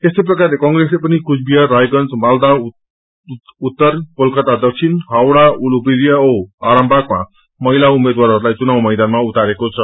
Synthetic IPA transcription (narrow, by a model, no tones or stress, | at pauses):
est̪ʌjp̬rʌkarlekʌŋɡreslepʌnikusbijaɾajɡʌnd͡zmald̪a | ut̪ːʌrkolkʌt̪ad̪ʌk̚sʰinɦawɽaulupiɾijaoaɾʌmbʱakma̰ | mʌɦilaumed̪waɾɦʌɾulajt͡sunawmʌjd̪anmaut̪aɾekot͡sʰʌ